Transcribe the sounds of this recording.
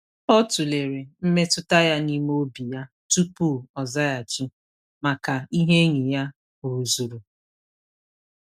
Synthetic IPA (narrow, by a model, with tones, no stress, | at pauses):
ɔ˦tu˨le˨ɾe˨m̩˦me˦tʊ˦ta˦ja˦ni˦m˦o˦bi˨ja˦ | tu˦pu˦˨ɔ˨za˦ja˨t͡ʃɪ˦ | ma˨ka˨i˦ɦe˦ɲi˨ja˦ | ʊ˨ɾu˨zu˨ɾu˨